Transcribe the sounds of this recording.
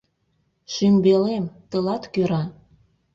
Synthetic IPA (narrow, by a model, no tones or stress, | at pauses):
ʃymbelemt̪əlɑt̪køɾɑ